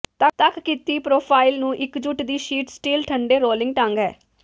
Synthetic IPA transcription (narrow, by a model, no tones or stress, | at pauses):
t̪ət̪əkkit̪iːpɾoːpʰaːilnũːʔɪkd͡ʒʊʈd̪iːʃiːʈsʈiːlʈʰəɳɖeːɾoːlɪ̃ŋɡʈãŋɡɦɛ̰ː